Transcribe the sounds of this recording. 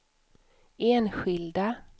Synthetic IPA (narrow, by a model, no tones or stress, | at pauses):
eːnɧɪld̪a